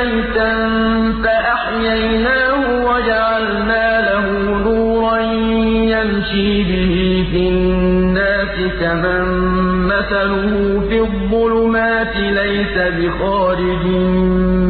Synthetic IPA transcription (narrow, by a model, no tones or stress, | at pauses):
jt̪an | faʔaħjajnaːhʊwad͡ʒaʕalnaːlaɦʊ | nuːɾɑn | jamʃiːbɪhiːfiːnːaːsɪkamamːaθalʊhʊfiðˤːʊlʊmaːt̪ɪlajsabɪxɑːɾɪd͡ʒɪn